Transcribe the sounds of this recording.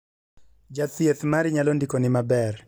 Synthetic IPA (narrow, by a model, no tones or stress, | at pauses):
d͡ʒaθjet̪maɾɪɲalɔndikonɪmabɛr